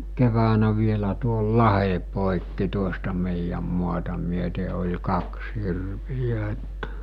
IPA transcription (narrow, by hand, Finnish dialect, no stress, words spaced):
keʋæːnæ ʋielæ tuol lɑhe poˑikːi tuostɑ meˑijæm muɑtɑ myøte olʲ kɑks hirʋijæ etːæ